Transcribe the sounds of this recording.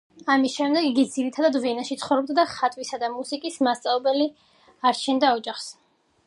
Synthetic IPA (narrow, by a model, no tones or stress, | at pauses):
amisʃɛmd̪ɛɡiɡid̪ziɾit̪ʰad̪ad̪vɛnaʃit̪sʰχɔvɾɔb̚d̪ad̪aχat̪ʼwisad̪amusikʼismast̪sʼavɛbɛli | aɾt͡ʃʰɛnd̪aɔd͡ʒaχs